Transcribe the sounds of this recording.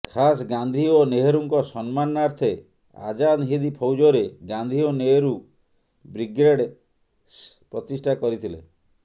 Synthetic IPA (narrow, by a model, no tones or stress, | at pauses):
kʰas̬ɡand̪ʱioneɦeɾuŋkɔsɔnmanaɾt̪ʰe | a̰d͡ʒanɦid̪ipʰɔwd͡ʒoɾeɡand̪ʱioneɦeɾu | bɾiɡɾeɽ | pɾɔt̪isʈʰakɔɾit̪ʰilḛ